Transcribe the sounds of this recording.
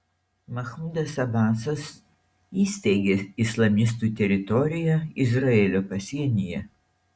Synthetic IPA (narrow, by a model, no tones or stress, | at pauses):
mɐxmʊd̪ɐsɐbɑːsɐs | iːsʲt̪ʲɛɪɡʲeːɪslˠɐmʲɪs̬t̪uːt̪ʲɛɾʲɪt̪ɔɾʲɪjɛɪzɾɐeːlʲoːpɐsʲiɛnʲɪjɛ